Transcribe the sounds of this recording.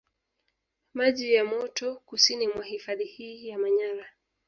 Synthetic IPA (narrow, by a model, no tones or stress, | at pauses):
maʄijamɔtɔkusinimwahifaðihiːjamaɲaɾa